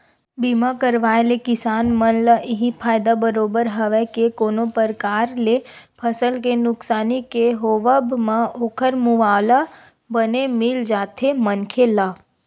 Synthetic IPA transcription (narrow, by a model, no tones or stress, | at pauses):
bimakəɾʋaːelekɪsaːnmənləʔɪɦipʰaːjd̪abəɾoːbəɾɦəʋɛkekoːnopəɾkaːɾlepʰəsəlkenʊksaːnikeɦoːʋəbmãoːkʰəɾmʊʋaːla | bənemɪld͡ʒaːt̪ʰemənkʰelaː